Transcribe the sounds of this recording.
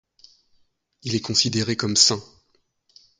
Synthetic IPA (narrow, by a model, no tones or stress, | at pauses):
ilɛkɔ̃sid̪eʁekɔmsɛ̃